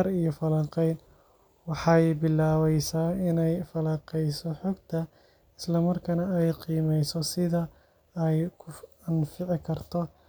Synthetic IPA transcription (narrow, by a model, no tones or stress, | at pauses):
ɐɾijɔfɐlɐŋqɛjn | wɑħɑjbɪlːaːwɛjsaːɪnɛjfɐlɐŋqɛjsɔħɔɡt̪ʰɐ | ɪslɐmɐrkʰɐnɐɛjqiːmɛjsɔsɪðɐ | ɛjkʰʊ | ɑnfɪʕɪkʰɐrt̪ʰɔ